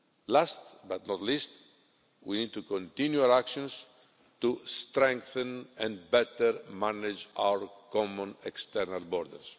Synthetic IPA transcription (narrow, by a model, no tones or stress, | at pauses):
last̪bat̪nɔt̪list̪ | winid̪̚t̪ukɔ̃nt̪ĩnjuaɾakʃɔ̃ns | t̪ust̪ɾɛ̃ŋkθɛ̃nɛ̃nbɛt̪ɛɾmanɪd͡ʒa̰wəɹkɔmɔ̃nɛkst̪ɛɾnalbɔɾd̪ə̰ɾs